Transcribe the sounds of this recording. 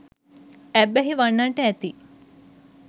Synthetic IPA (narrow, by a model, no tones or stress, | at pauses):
æbːæɦiʋaɳːaɳʈəæt̪i